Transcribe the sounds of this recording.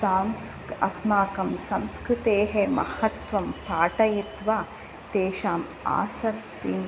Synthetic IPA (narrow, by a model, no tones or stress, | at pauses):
saːms | ɐ̰smaːkɐmsɐmskɾɨt̪eːɦemɐ̰hɐt̪ʋɐmpaːʈɐjit̪ʋaː | t̪eːʃaːm | a̰ːsɐt̪ːin